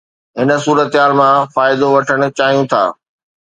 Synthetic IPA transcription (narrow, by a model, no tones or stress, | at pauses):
ɦɪnə̆suːɾət̪ɦaːlmãfaːɪd̪oʋɐʈʰəɽ̃ʊ̆t͡ɕaːɦijũt̪ʰa̰ː